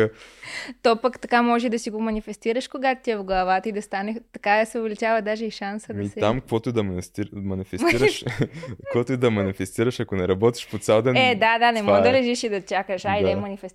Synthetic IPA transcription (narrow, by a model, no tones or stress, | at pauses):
t̪ɔpəkt̪ɐkamɔʒɛd̪ɐsiɡomɐnifɛst̪iɾəʃkoɡat̪t̪iɛvɡlˠɐvat̪əid̪ɐst̪anɛt̪ɐkasɛʊvɛlit͡ʃavɐd̪aʒɛiʃansəd̪misɛt̪amkvɔt̪ʊd̪ɐmɐnist̪iɾmɐnifɛsiɾəʃkvɔt̪od̪ɐmɐnifɛst̪iɾəʃɐkonɛɾɐbɔt̪i̥ʃpot̪sʲalˠd̪ɛnɛd̪ad̪anɛmɔd̪ɐlɛʒiʃid̪ɐt͡ʃakəʃaid̪ɛmɐnifɛs